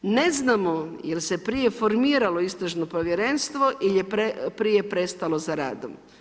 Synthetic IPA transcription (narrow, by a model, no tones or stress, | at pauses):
ne̞znamo̞jelse̞pɾije̞fo̞ɾmiːɾalo̞ist̪ɾaʒnopɾoʋjeɾenst̪ʋo̞ʔiljepepɾije̞pɾe̞st̪alo̞zaɾa̰ːd̪o̰m